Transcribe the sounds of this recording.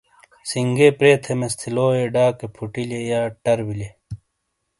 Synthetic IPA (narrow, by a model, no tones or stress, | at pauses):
siŋɡepɾeːt̪ʰemest̪ʰiloːeɖaːkepʰuʈilejaːʈɐɾbile